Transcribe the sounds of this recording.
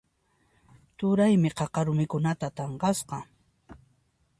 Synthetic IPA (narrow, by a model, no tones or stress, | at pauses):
t̪ʊɾajmɪqɑqɑɾʊmɪkʊnat̪at̪ɑɴqɑsqɑ